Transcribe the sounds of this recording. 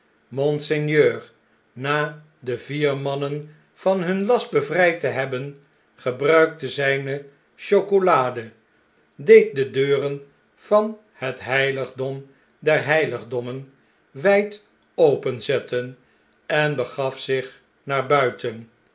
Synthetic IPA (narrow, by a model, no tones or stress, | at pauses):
mɔnsɛnjøːɹ | naː | dəviːɹmɑnən | v̥ɑnɦɵnlɑst̚bəvrɛjtəɦɛbən | χəbrœɥk̚təzɛjnə | ʃokolaːdə | dejt̚dədøːrən | v̥ɑn | hətɦɛjləχdɔm | dɛɹɦɛjləχdɔmən | ʋɛjt | owpənzɛtən | ɛnbəχɑfsɪχ | naːɹbœɥtən